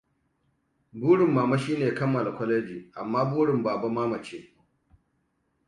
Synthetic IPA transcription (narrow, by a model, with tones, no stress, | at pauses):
buː˦ɽɪ˨mːaː˨ma˦ʃiː˦neː˨kɐ˦mːɐ˨la˨kʷɔ˦leː˦d͡ʒiː˨ʔa˨mːaː˦buː˦ɽɪ˨mbaː˨ba˦maː˦mɐ˨t͡ʃeː˦